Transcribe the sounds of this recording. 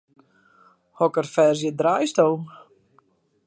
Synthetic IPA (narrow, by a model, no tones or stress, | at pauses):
hɔkərfɛrzjədrajstow